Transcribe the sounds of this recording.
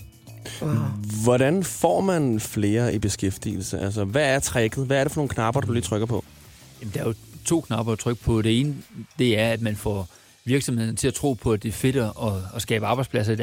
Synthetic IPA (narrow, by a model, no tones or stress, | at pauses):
ʋɒɾænfɒ̰ːmænfle̝ːɐib̥e̝sɡ̥efd̥ḭl̩səʔæls̬ɐʋææɐt͡sʰʁɛɡ̥ð̩ˠʋæɐɾefɒ̽no̝ːn̩kʰnɑ̈b̥ɐd̥uliːt͡sʰʁœɡ̥ɐpʰɒ̽ | jæmn̩d̥ɑ̈ɐjo̝t͡sʰo̝̰ːkʰnɑ̈b̥ɐt͡sʰʁœɡ̥əpʰɒ̽ɾ̥e̝e̝ːnəd̥e̝æɐæd̥mænfɒ̰ | ʋiɐɡ̥sɒ̽mhe̝ðˠɐnət͡sʰe̝æt͡sʰʁo̝̰ːpʰɒ̽æd̥e̝æɐfe̝d̥ɐɒ̽ːsɡ̥ɛ̰ːb̥əɑ̈ːb̥ɑ̈ɪd̥spʰlæs̬ɐi